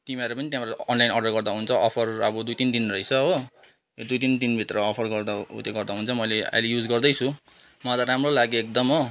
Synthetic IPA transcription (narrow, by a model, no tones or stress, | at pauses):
ʈ̪imʌɾupʌnit̪jãbɾʌnlajnʌɖʌrɡʌrd̪aɦunt͡sʰʌʔʌpʰʌrʌbʌd̪ujt̪ind̪inrʌit͡sʰʌɦ | d̪ujt̪̬ind̪inbʱit̪rʌːpʰʌrɡʌrd̪aṵt̪jeɡʌrd̪aɦunt͡sʰʌmʌjlea̰jlejud͡zɡʌrd̪ʌjt͡sʰũ | mʌt̪aɾamrolaɡoek̚d̪ʌmʌ